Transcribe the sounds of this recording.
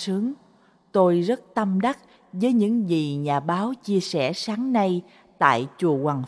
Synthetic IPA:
sɨ˨˦əŋ | t̪o˧jzə˦˥t̚t̪ə˧mɗa˦˥t̚ | vəː˨˦jɲɨ̰˧˥ŋzi˨˩ɲaː˨˩ɓaː˨˦wt͡ɕi˧əsɛ̰˧˩saː˨˦ŋna˧j | t̪a̰ː˧˨jt͡ɕu˨˩əkwaː˨˩ŋ

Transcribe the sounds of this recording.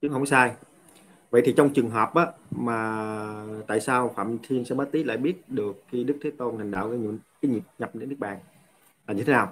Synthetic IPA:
t͡ɕɨ˨˦hə˧wŋ͡msaː˧j | və̰˧˨jt̪i˨˩t͡ɕɔ˧wŋ͡mt͡ɕɨ˨˩əŋɦɔː˨˩p̚ʔaː˨˦maː˨˩ | t̪a̰ː˧˨jsaː˧wfa̰ː˧˨mt̪ʰi˧əmsɛ̰˧˥ɓaː˨˦˥t̪i˦˥t̚la̰ː˧˨jɓi˦˥ət̚ɗɨ˨˩əkxːi˧ɗɨ˦˥k̚t̪ʰeː˨˦t̪o˧nt̪ʰa˨˩ŋ̟ɗa̰ː˧˨wkːɲ̰˧˨˦kaː˨˦ɲi˨˩p̚ɲa˨˩p̚ɗe˧nɗɨ˦˥ək̚ɓa̰ː˧˨n | laː˨˩ɲɨ˧t̪ʰe˨˦naː˨˩w

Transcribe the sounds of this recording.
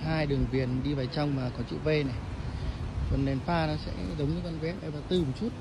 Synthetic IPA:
ɦaː˧jɗɨ˨˩əŋvi˨˩ənɗi˧vaː˨˩jt͡ɕa˧wŋ͡mmaː˨˩kɔ˨˦t͡ɕḭ˧˨wve˧na˨˩j | kə˨˩nɗɛ˨˩nfaː˧nɔ˨˦sɛ̰˧˥zə˨˦wŋ͡mɲɨ˧˦ka˧nvɛ˨˦˥p̚ʔə˨˦jvaː˨˩t̪ɨ˨˩mo˨˩t̚t͡ɕu˦˥t̚

